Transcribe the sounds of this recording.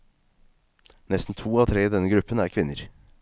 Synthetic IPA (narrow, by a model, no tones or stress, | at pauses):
nɛst̪n̩t̪ʰuːɑːt̪ʰɾeːiːd̪ɛnːəɡɾʉpːənæːɾkʰʋɪnːəɾ